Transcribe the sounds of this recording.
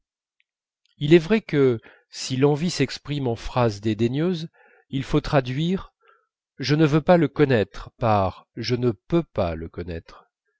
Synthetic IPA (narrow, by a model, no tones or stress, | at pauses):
ilɛvʁɛkə | silɑ̃visɛkspχimɑ̃fχazd̪ed̪eɲjøz | ilfot̪χad̪ɥiʁ | ʒənəvøpaləkɔnɛt̪χpaʁʒənəpøpa̰ləkɔnɛ̰t̪χ